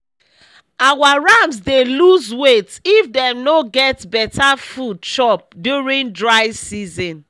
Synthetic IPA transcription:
awaɹãmsdeluzwetifdɛmnoɡɛtbɛtafud̚ʃɔp̚djuɹĩndɹaɪsizɔ̃n

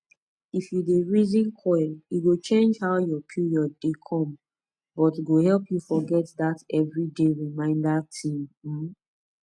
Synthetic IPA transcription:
ifjudeɹizĩnkʰɔiɡot͡ʃẽnd͡ʒhaʊjɔpʰjujɔdekʰɔ̃m | bɔtiɡohɛlpʰjufɔɡɛtdatɛvɹideɹimãɪ̃ndatʰĩm̩

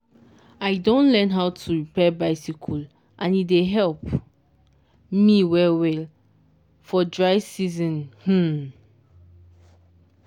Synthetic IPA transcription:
aɪdõnlɛ̃nɦaʊtʰuɹipɛbaɪsikʰul | ʔãnideɦɛlp | miwɛlwɛl | fɔdɹaɪsizɔ̃nh̩

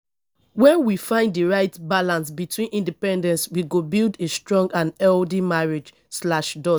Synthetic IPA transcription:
wɛ̃nwifãɪ̃nddiɹaɪtbalãnsbitʰwĩnĩndipɛ̃ndɛ̃nswiɡobildestɹɔ̃ŋɡãnɛldimaɹed͡ʒ | slaʃdɔ

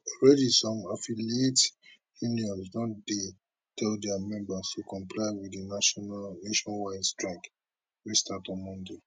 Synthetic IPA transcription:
ɹɛdisɔ̃mafiliet | juniɔ̃nsnɔtde | tʰɛldɛamɛ̃mbastʰukɔ̃mpʰlaɪwiinneʃɔ̃nwaɪdstɹɛ̃ŋk | wistatɔ̃mɔ̃nde

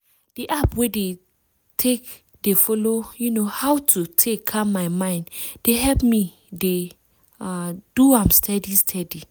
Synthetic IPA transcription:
d̥iʔapwede | tʰek | defɔlojunohawtʰutʰekʰːammaɪmãɪ̃ndd̥eɦɛlpmi | de | aduãmstʰɛdistʰɛdi

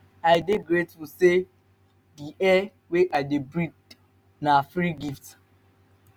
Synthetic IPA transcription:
aɪdeɡɾetwuse | diʔɛ | weʔaɪdebɹik̚ | nafɾiɡift

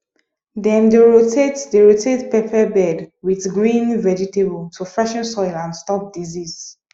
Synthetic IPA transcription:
dɛ̃ndeɹotʰetdeɹotʰetpɛpʰɛbɛdwiθɡɹĩnvɛd͡ʒitebəltʰufɹɛʃɔ̃nsɔɪlãnstɔp̚dizis

